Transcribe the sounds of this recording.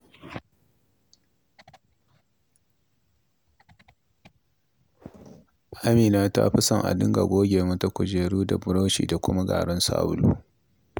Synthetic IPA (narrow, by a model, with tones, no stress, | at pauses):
ʔa˦miː˨naː˦ta̰˦ɸɪ˦sɐ˨ŋʔa̰˨dɪ˦ŋɡa̰˨ɡʷoː˦ɡʲeː˨mʊ˦ta˦kʷʊ˨d͡ʒeː˨ɾuː˦da˨bʊ˨ɽoː˦ʃḭː˨da˨kʷʊ˦ma˦ɡa̰ː˨ɽɔ˦nsa̰ː˦bʊ˦luː˦